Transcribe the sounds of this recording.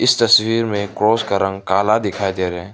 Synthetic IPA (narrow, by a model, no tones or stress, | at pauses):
ɪst̪ɐswiːɾmẽkɾoːskaɾɐ̃ŋɡkaːlad̪ɪkʰaːid̪eːɾɛ̃ː